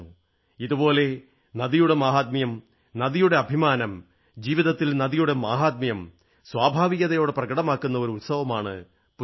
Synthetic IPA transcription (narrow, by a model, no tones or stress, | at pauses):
iðubo̞ːle̞ | nɐðijuɽe̞maːɦaːd̪̚mijɐm | nɐðijuɽe̞ɐbʱimaːnɐm | d͡ʑiːʋiðɐt̪ːilnɐðijuɽe̞maːɦaːd̪̚mijɐm | swaːbʱaːʋiɣɐðɐjo̞ːɽeprɐɣɐɽɐmaːkːunːɐo̞ɾuut̪sɐʋɐmaːɳɨ̰ | pu